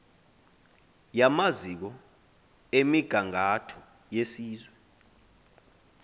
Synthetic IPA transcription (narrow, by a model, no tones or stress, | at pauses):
jamazik̬ɔ | emiɡ̥ʱaŋatʰɔ̥ | jesiːzwɛ